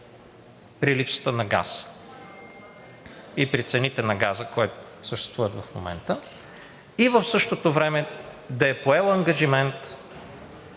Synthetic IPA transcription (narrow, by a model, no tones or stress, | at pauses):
pɾilipsə̥t̪ənɐɡa̰s | ipɾit̪sɛnit̪ɛnɐɡazəkojt̪o | səʃt̪ɛst̪vuvət̪vɐfmo̰mɛ̰nt̪ə | ivəfsɤʃt̪ot̪ovɾɛmɛ | d̪ɐɛpoɛlˠɐŋɡɐʒimɛnt̪